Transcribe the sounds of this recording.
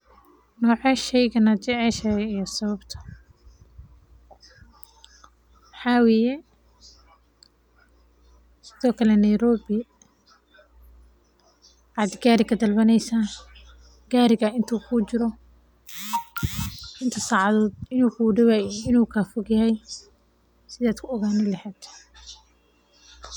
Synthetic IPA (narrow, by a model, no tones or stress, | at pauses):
nɔːʕɛʃɛjɣɐnɐt͡ʃɛʕɛʃɐjijɔsɐβɐbt̪ʰɐ̥ | mħɑːwɛːjɛ | sɪðɔːkʰɐlɛnɐjɾɔːbɪ | ʕɑd̪ɪɡaːɾɪkʰɐd̪ɐlbɐnɛjsaː | ɡ̥aːɾɪɣɐʔɪnt̪ʰuːkʰuːt͡ʃɪɾɔ | ɪnt̪ʰɐsaːʕɑðɔːd̪ɪnuːkʰuːɖɐwaːjɪnuːkʰaːfʊɡjɐhɛj | sɪðaːd̪kʰʊɔɣaːnɪlɐhɛːd̪̥